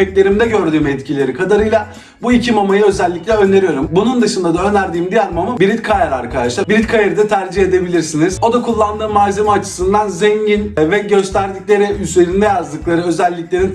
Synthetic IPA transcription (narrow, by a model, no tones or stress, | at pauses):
ɛclʲe̞ɾimd̪ɛɟø̞ɾd̪yːmɛt̪cʰilʲe̞ɾikʰad̪aɾɯjlˠa | buicʰimamajɯø̞zɛlʲːiclʲɛø̞nd̪ʲe̞ɾijo̞ɾumbunund̪ɯʃɯnd̪ad̪aø̞nʲæɾd̪iːmd̪ijæɾmamɯbiɾit̪kʰajaɾaɾkʰad̪aʃlˠaɾbiɾit̪kʰajeɾɯd̪at̪ʰæɾd͡ʒihe̞d̪e̞bilʲiɾsiniz̥o̞d̪akʰulˠːand̪ɯːmazemaːt͡ʃʰɯ̥sɯnd̪anzɛɲɟinvɛɟø̞st̪ʰæɾd̪icʲlʲe̞ɾiyze̞ɾind̪ɛjazd̪ɯklˠaɾɯø̞zælʲːiclʲe̞ɾin